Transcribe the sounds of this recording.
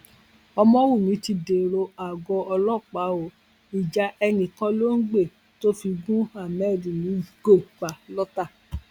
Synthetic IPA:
ɔ˧mɔ̃˧˦wu˦˨mĩ˨˦ti˧de˨ɾo˧a˨ɡɔ˧ɔ˧lɔ˦˨k͡pa˨˦o˨ | i˨d͡ʒa˨˦ɛ˧nĩ˨kã˦lo˦n̩˦ɡ͡be˦˨ | to˦fi˧ɡũ˦a˦˨mɛ˦˨dĩ˨nĩ˨˦˨ɡo˦˨i˨k͡pa˨lɔ˦ta˦˨

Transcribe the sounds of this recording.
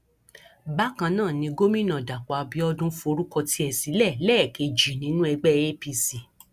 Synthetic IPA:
ba˦kã˧nãː˦˨nĩ˧ɡo˦mĩ˦˨nã˨da˨k͡pa˨˧bi˧˦ɔ˧dũ˦fo˧ɾũ˦kɔ˧ti˦ɛ˨si˨˦lɛ˦˨lɛː˦˨ke˧d͡ʒi˨nĩ˨˦nũ˦ɛ˧ɡ͡bɛ˦e˦pi˧si˨

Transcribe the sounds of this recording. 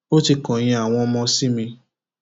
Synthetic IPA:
o˦ti˧kɔ̃˨j̃ĩ˧˦a˨w̃ɔ̃˧mɔ̃˧si˦mĩ˧

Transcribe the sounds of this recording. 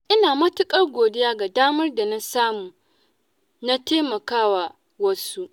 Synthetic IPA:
ʔɪ˦naː˨mɐ˦tʊ˦kʼɐ˦rɡʷoː˨dɪ˦jaː˦ɡa˨daː˦mɐ˦rda˨na˦saː˦muː˨ | na˦teː˦mɐ˨kaː˦wa˨ | wɐ˦su˦ʔ

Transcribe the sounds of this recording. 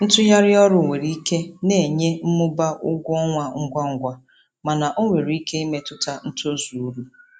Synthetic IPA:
n̩˦tʊ˦ja˦ɾɪ˦ɔ˦ɾʊ˨ŋʷe˨ɾi˦i˦ke˦ne˨ɲe˦m̩˦mʊ˦ba˦ʔʊ˦ɡʷɔ˦ŋʷa˦ŋ̩˦ɡʷa˦ŋ̩˦ɡʷa˦ | ma˨na˨ʔo˦ŋʷe˨ɾi˨˦i˦ke˦i˦me˦tʊ˦ta˦n̩˦to˦zu˨u˦ɾu˦

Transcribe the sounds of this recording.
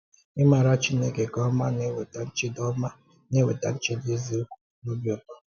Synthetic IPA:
i˦ma˨ɾa˦t͡ʃi˦ne˦ke˨kɔ˦ma˦ne˦we˨ta˨n̩˦t͡ʃi˦dɔ˦ma˦ | ne˦we˨ta˨n̩˦t͡ʃe˦de˦zi˦o˦ku̥˨˦lu˦bjɔ˨ka˨

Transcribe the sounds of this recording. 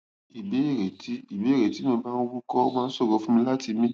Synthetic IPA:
i˨be˨˦e˦˨ɾe˨ti˦i˨be˨˦˨ɾe˨ti˨˦mɛ̃˧ba˦n˦o˦wu˦kɔ˦mãː˦sɔ˦˨ɡɔ˧fũ˦mĩ˧la˦ti˧mĩ˦

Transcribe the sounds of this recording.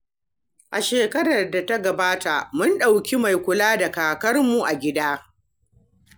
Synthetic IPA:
ʔa˨ʃeː˨kɐ˦ɾɐ˨rda˨tɐ˦ɡɐ˨baː˦ta˨mʊ˦nɗa˨wkʲi˦ma˨jkʷʊ˨laː˦da˨kaː˨kɐ˦rmu˨ʔa˨ɡʲɪ˦daː˦

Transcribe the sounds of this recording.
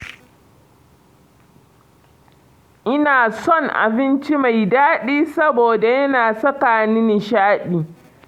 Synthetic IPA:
ʔɪ˦naː˨sɔ˦˨ŋʔa̰˨bɪ˦nt͡ʃi˦ma˨jdaː˦ɗiː˦sɐ˦boː˨da˨jɐ˦naː˨sɐ˦kaː˨nɪ˦nɪ˨ʃaː˦ɗiː˨

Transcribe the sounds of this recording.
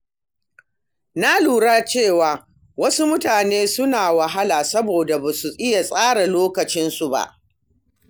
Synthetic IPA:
na˦luː˨ɽaː˦t͡ʃeː˦˨waː˨ | wɐ˦su˦mʊ˦taː˨neː˦sʊ˦naː˨wa˨ɦa˦laː˨sɐ˦boː˨da˨ba˨su˨ʔɪ˦ja˨sʼaː˦ɽa˨loː˦kɐ˨t͡ʃɪ˦nsu˨ba̰˦˨ʔ

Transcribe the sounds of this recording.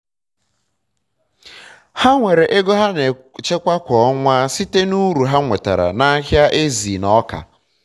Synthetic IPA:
ha˦ŋʷe˨ɾe˨ʔe˦ɡo˦ɦa˦ne˨t͡ʃe˦kʷa˦kʷɔ˨ɔ˦ŋʷa˦si˦te˦nu˦ɾu˨ɦa˦ŋʷe˨ta̰˨ɾa̰˨na˦ɦja˦ʔe˦zi˨nɔ˦ka̰˨

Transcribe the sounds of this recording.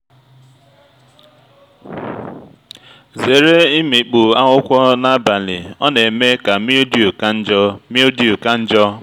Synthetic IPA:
ze˨ɾe˦i˦mi˨k͡pu˨a˦ŋʊ˦kʷɔ˦na˦ba˨lɪ̰˨ɔ˦ne˨me˦ka˨mi˦di˨u˨ka˦n̩˦d͡ʒɔ˦mi˦o˦di˨u˨ka˦n̩˦d͡ʒɔ˦

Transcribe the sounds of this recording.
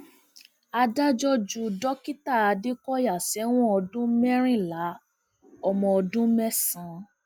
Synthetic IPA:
a˧da˦d͡ʒɔ˦d͡ʒu˧dɔ˦ki˦ta˦˨a˧di˦kɔ˦ja˦˨sɛ˨˦w̃ɔ̃˦ɔ˧dũ˦mɛ˦ɾ̃ĩ˦˨la˨˦ | ɔ˧mɔ̃˧ɔ˧dũ˦mɛ˦sã˧˦

